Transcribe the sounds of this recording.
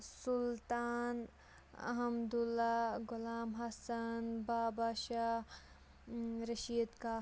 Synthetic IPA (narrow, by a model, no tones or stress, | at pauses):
sʊlt̪aːn | ɐ̰ɦɐmd̪ulːaɡʊlaːmɦɐsɐnbaːbaʃa | ɾɐʃiːd̪kaː